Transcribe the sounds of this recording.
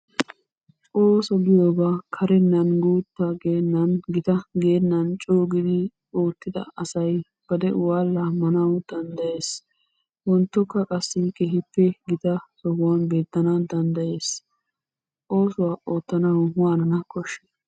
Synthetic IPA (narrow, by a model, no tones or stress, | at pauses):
oːsɔɡɪjoːbakʰɐɾɛnːɐnɡuːt̪ːɐɡeːnːɐnɡɪt̪ɐɡe̞ːnːɐnt͡ʃʼoːɡɪd̪ɪ | oːt̪ːɪd̪ɐ̰ɐsɐj | b̥ɐd̪ɛ̰waːlːɐmɐnɐwd̪̥ɐnd̪ɐje̞ːs | wɔnt̪ːɔkːɐkʼɐsːɪkeːɦɪpːɛɡɪt̪ɐsɔhʊwɐnbe̞ːt̪ːɐnɐd̪ɐnd̪ɐje̞ːs | o̞ːsʊwaːʔo̞ːt̪ːɐnɐwwaːnɐnɐkʰɔʃːe̥